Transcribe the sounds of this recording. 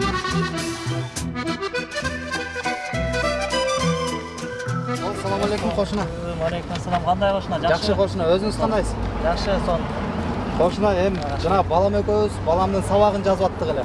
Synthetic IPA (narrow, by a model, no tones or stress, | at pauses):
osɑlˠɑmɑlekumqʰo̞ʃunɑ | malekumasɐlˠɑmqʰɑnd̪ɑjqʰoʃnɑd͡ʒɑd͡ʒɑʃɯqʰo̞ʃunɑø̞zyŋyzt̪ʰɑnd̪ɑjsd͡ʒɑqʃɯson | qʰoʃunɑem | d͡ʒɑnɑbɑlˠɑmøkøβyzbɑlˠɑmd̪ɯnsɑβɑʁɯnd͡ʒɑzβɑt̪ːɯʁe̞le